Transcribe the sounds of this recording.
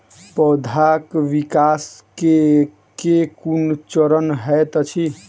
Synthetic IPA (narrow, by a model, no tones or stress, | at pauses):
pɔd̪ʱakʋikaske | kekunt͡ʃəɾənɦət̪ət͡ʃʰi